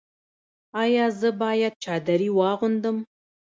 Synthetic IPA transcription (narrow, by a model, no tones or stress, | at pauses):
ɑjɑzəbɑjad̪̚t͡ʃɑd̪aɾiwɑɣʊnd̪əm